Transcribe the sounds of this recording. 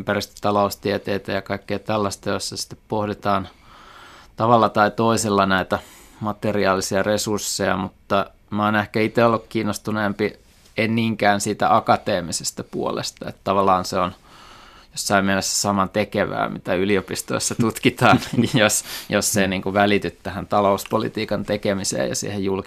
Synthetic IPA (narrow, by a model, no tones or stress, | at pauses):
mpærist̪ə̥t̪ɑloˑust̪iet̪eːt̪æjɑkɑikːejt̪ælːæst̪ɑjoisːɑsi̥t̪ːeppohdit̪ɑːn | t̪ɑʋɑlːɑt̪ɑit̪oiselːɑnæit̪æmɑt̪eriɑːlːisiɑresursːejɑ̰mut̪ːɑ | moːnehkæit̪eolːukkiːnːost̪uneːmpi | enniːŋkæːnsiːt̪æʔɑkɑt̪eːmisest̪æpuolḛst̪ɑḛt̪t̪ɑʋɑlːˑɑːnseon | josːɑimmiɛlesːæ̥sɑmɑt̪ekeʋæ̰ːmḭt̪æyliopist̪oisːɑt̪ut̪kit̪ɑːnjosjosːeniːŋkuʋælit̪yt̪t̪æhænt̪ɑlouspolḭt̪iːkɑnt̪ekemisḛːjɑ̰sḭːhejjulk